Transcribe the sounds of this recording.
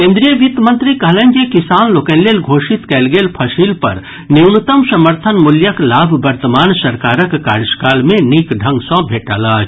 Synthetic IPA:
kẽːnd̪ɾijəʋit̪mə̃nt̪ɾikɐɦlẽɲd͡ʒekisaːnloːkɛ̃ːllelɡʱoːʃit̪kɛːlɡeːlpʰɐʃiːlpɐ̰ɾ | niwnut̪əmsɐməɾt̪ʰənmʊljəklaːbʱbɐɾt̪əmaːnsɐɾkaːɾəkːaːɾskaːlmẽnikɖʱɐ̃ŋɡsɔ̃bʱeːʈa̰ːlaː

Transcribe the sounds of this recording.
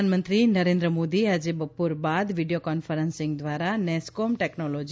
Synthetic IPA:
anmənt̪ɾinəɾẽnd̪ɾəmod̪iad͡ʒebəpuɾbad̪ʋiɖijokɔnfəɾənsɪ̃ŋɡd̪ʋaɾanɛskomʈɛknɔlɔd͡ʒ

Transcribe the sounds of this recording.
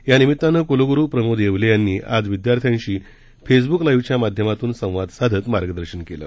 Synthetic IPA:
janimit̪ːanəkoloɡuɾuːpɾəmod̪jeʋlejanːiːʔad͡zʋid̪jaɾt̪ʰjãɲɕiː | fes̬buklajʋt͡ɕjamad̪ʱjəmat̪uːnsə̃w̃ʋad̪sad̪ʱət̪maɾɡəd̪əɾɕənkelə̰ː

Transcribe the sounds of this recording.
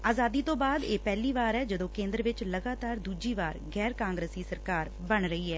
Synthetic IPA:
aːzaːd̪iːt̪õːbaːd̪eːpɛːliːʋaːɾɛːd͡ʒəd̪õːkẽːnd̪ɾʋɪt͡ʃləɡaːt̪aːɾd̪uːd͡ʒiːʋaːɾɡɛːɾkãːŋɡɾəːsiːsəɾkaːɾ | bəɳɾəiːɦɛː

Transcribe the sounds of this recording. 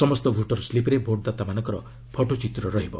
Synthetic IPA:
sɔmɔst̪ɔbʱuʈɔɾslipɾebʱoʈ̚d̪at̪amanɔ̃ŋkɔɾɔ̰ | pʰɔʈot͡ʃit̪ɾɔɾɔɦibɔ

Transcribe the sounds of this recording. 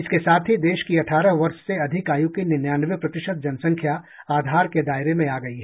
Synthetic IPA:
ɪskesaːt̪ʰɦid̪eːʃkiɐʈʰaːɾəɦʋɐɾʃseɐd̪ʱɪkaːjukinɪnjaːnəʋjəpɾɐt̪ɪʃəd̪̚d͡ʒɐnsɐ̃ŋkʰja | aːd̪ʱaːɾked̪aːɪɾemẽaːɡɐiɦɛ

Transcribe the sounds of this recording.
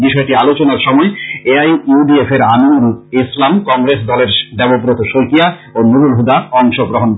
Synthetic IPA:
biʃɔeʈialot͡ɕonaɾʃɔmɔeeajuɖiefeɾanuulislamkɔŋɡɾesd̪ɔleɾɖ̪ɛbopɾot̪oʃojkiaonuɾulɦud̪aɔŋʃoɡɾoɦon

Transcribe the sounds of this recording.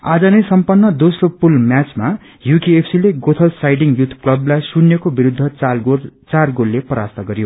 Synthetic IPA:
a̰d͡zʌnʌjsʌmpʌnːʌd̪osropulmjat͡sma | jukiepʰsileɡot̪ʰʌlsajɖiŋjut̪ʰklʌblajsunːjekobiɾud̪ʱːʌɡot͡sarɡolːepʌɾast̪ʌɡʌɾjo

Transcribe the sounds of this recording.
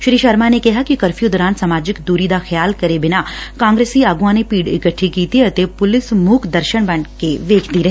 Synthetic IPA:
ʃɾiːʃɐɾmanekɐɦakikɐɾfʰiud̪ɔɾãːnt̪samaːd͡ʒɪkd̪uːɾid̪axjaːlkɐɾebɪnakãːŋɡɾeːsiaːɡuãnepiːɖɪ̰kəʈʰːikiːt̪iɐt̪epʊlɪsmuːkʰd̪ɐɾʃəɳ̃bɐɳkeʋeːkʰd̪iɾɐɦe

